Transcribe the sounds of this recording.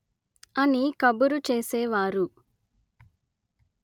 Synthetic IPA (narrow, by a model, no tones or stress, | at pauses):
ɐnikɐbuɾut͡ʃeːsɛːʋaːɾu